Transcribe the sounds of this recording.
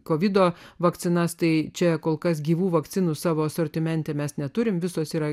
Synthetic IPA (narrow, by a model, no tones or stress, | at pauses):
koːʋʲɪd̪oːʋɐk̪t͡s̪ʲɪnɐst̪ɐɪt͡ʃʲɛkoːlˠkɐsɡʲiːʋuːʋɐkt̪sʲɪnuːsɑːʋoːsɔɾʲt̪ʲɪmʲɛnʲt̪ʲɛːmʲɛsnʲɛt̪ʊɾʲɪmʋʲɪsoːsiːɾɐ